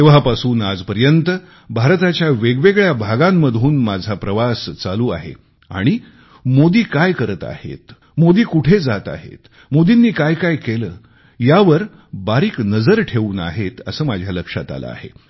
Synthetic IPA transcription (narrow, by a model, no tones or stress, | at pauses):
t̪eʋ̤apasuːnad͡zpəɾjənt̪ə | bʱaɾt̪at͡ɕjaʋeɡʋeɡɭjabʱaɡãmːəd̪ʱuːnmad͡zʱapɾəʋast͡saluːa̰ɦḛ | a̰ɽ̃i | mod̪iːkajkəɾət̪a̰hḛt̪ | mod̪iːkuʈʰed͡zat̪a̰ɦḛt̪ | mod̪inːiːkajkajkeləː | jaʋəɾ | baɾiːknəd͡zəɾʈʰeʋuːna̰ɦet̪əsəːmad͡ʑʱjaləkʂat̪a̰lə̰a̰ɦḛ